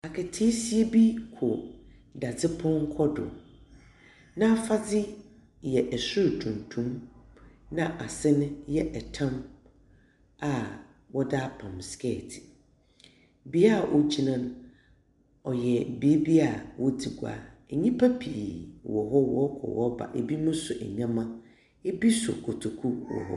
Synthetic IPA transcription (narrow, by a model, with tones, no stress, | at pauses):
a˨kʰɛ˨tʰeː˦si˦e˦bi˦kʰʊ˨ | da˨d͡zɪ˦pʰɔ̃˦ŋ˦kʰɔ˦dʊ̰˨ | nã˦fa˦d͡zɪ˦ | jɛ˨ʔɛ˨sʊ˦˨tʰũ˨ntʰũ˦m | nã˦ʔa˨sɪ˦nʊ̃˦jɛ˦ʔɛ˨tʰã˦m | a˨ | wɔ˦daː˦pʰã˨mskɛ˦˨tʰɪ̥˨ | bi˦a˦˨ʔo˦t͡ɕʰi˦nã˦nʊ̃˦ | ɔ˨jɛ˨bi˦bi˦a˨wɔ˦di˨ɡʷa̰ː˨e˨ɲĩ˦pʰa˦pʰi˨wɔ˨ɦɔ˦wɔ˦kʰɔ̰˨wɔ̰˦ba̰˨ʔe˨bi˦mʊ̃˦sʊ˨ʔɛ̰˨ɲã˦mã˦ | e˦bi˦sʊ̰˨kʰɔ˨tʰo˨kʰu˦wɔ̰˨ɦɔ̰˦